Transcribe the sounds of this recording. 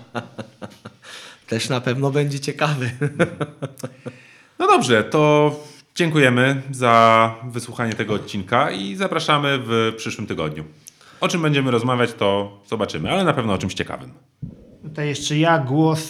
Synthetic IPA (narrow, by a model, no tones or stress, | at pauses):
t̪ɛʂnapɛvnɔbɛɲd͡ʑɛt͡ɕɛkavɘ | nɔd̪ɔbʐɛt̪ɔ | d͡ʑɛŋkujɛmɘzavɘswuxaɲɛt̪ɛɡɔːt̪̚t͡ɕːinkaizapɾaʂamɘvpʂɘʂwɘmt̪ɘɡɔ̰d̪ɲu | ɔt͡ʂɘmbɛɲd͡ʑɛmɘɾɔzmavʲjat͡ɕt̪ɔz̥ɔbat͡ʂɘmɘalɛnapɛvnɔɔt͡ʂɘmɕt͡ɕɛka̰vɘ̰m | t̪ut̪ajɛʂt͡ʂɛjaɡwɔs